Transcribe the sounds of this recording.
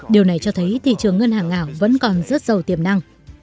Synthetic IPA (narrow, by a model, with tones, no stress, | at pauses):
ɗi˨˩əwna˨˩jt͡ɕɔ˧t̪ʰə˨˦jt̪ʰḭ˧˨t͡ɕɨ˨˩əŋːə˧nhaː˨˩ŋːaː˧˩wvə̰˧˥nkɔ˨˩nzə˦˥t̚zə˨˩wt̪i˧˩əmna˧ŋ